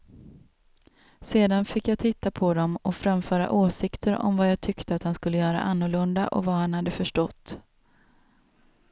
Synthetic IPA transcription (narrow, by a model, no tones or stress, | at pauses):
seːd̪anfɪkːjaːt̪ʰɪt̪ːapʰɔd̪ɔmɔfɾamfœːɾa̰ʔoːsɪkt̪ʰəɾɔ̰mvajaːɡt̪ʰʏkt̪əat̪hanskɵlːəjœːɾa̰ʔanːʊɭɵnd̪a̰ʔɔ̰vahanhad̪ːəfœʂʈɔt̪ː